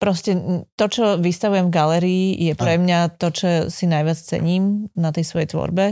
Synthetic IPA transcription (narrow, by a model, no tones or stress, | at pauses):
pɾɔscɛt̪ɔt͡ʃɔʋist̪aʋujɛmvɡalɛɾiːjɛpɾɛmɲat̪ɔt͡ʃɔsinajʋɪat͡st͡sɛ̰ɲiːmnat̪ɛjsʋɔjɛjt̪ʋɔ̰ɾbɛ